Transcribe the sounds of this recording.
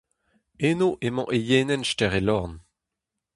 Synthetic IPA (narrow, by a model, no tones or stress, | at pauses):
enoʔemɑ̃ʔejeːnɛnʃtɛʁelɔʁn